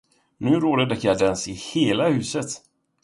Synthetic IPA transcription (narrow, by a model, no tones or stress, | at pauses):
nʉ̟ːɾoːd̪ad̪ɛkjɑd̪ɛnsɪheːlahʉ̟ːsət̪